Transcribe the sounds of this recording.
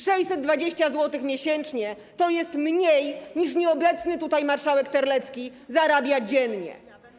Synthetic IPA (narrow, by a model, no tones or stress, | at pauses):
ʂɛjsɛd̪̚d̪vad͡ʑeɕt͡ɕazwɔt̪ɘxmʲjeɕɛnt͡ʂɲɛ | t̪ɔjɛst̪mɲejɲiʂɲɛɔbɛt̪snɘt̪ut̪ajmaɾʂawɛkt̪ɛɾlɛt̪skʲizaɾabʲjad͡ʑɛnɲɛ̰